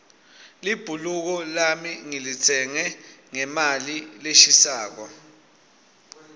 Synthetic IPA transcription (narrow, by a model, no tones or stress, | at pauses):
lib̥ʱuluk̬ɔlamiŋilit͡sʰɛŋɛŋɛmalileʃisaːk̬ɔ